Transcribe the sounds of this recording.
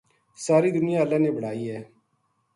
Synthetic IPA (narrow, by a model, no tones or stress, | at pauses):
saːɾiːd̪ʊnɪjãːəlːãːneːbəɽ̤aːiːɦɛː